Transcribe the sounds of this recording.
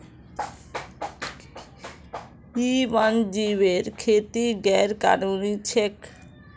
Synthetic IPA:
iband͡ʑiβeɾkʰet̪iɡɛɾka̰ɾunit͡ɕʰek

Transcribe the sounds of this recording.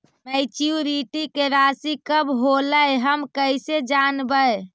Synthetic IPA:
mɛjt͡ʃiuɾiʈikeɾasikəbɦoləjɦəmkəised͡ʒanbəj

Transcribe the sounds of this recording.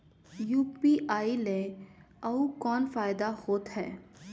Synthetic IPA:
juːpiʔaːile | ɐukɔːnfaːɪd̪ahoːt̪ɦɛː

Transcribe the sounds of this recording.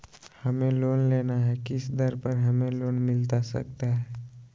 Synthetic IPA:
hɐmẽloːnleːnaɦɛkɪsd̪ɐɾpəɾɦɐmẽloːnmɪlt̪asɐ̰k̚t̪aɦɛː

